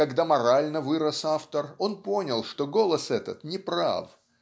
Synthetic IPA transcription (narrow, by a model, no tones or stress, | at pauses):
ɐɡd̪amɐɾalʲnəvɨɾəsaft̪əro̞npo̞nʲɪlˠʂt̪oɡo̞lˠəsɛt̪ət̪nʲɪpɾa̰f